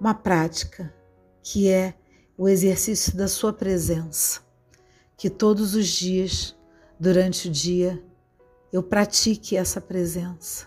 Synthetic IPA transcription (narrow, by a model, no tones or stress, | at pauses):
ũmɐpɾat͡ʃi̥kʰɐ | kʰɪɛ | ʊezeɾsisjʊd̪ɐsuɐpɾezẽsɐ̥ | kɪt̪od̪ʊzʊzd͡ʒiɐʃ | d̪uɾɐ̃nt͡ʃɪʊd͡ʒiɐ | ewpɾat͡ʃikɪɛsɐpɾezẽsɐ̥